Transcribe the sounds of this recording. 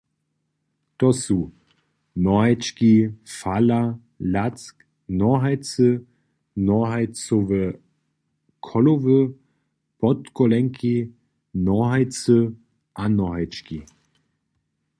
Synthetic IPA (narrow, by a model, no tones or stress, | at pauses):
t̪ɔsu | nɔɦaɪt͡ʃkifala | lat͡sk | nɔɦaɪt͡sə | nɔɦaɪt͡soʋə | kʰɔlovə | pɔtkɔlɛŋkʰi | nɔɦaɪt͡sə | ʔanɔɦaɪt͡ʃki